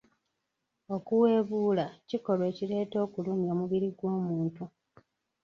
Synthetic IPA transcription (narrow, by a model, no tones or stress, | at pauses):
o̞kuwe̞ːβuːlaciko̞lwe̞ːciɾe̞ːto̞ːkuluːmjomuβiɾiɡwo̞ːmuːntu